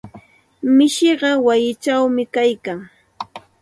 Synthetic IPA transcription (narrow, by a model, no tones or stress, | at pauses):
mɪʃɪɢɑwajɪt͡ʃawmɪkajkaŋ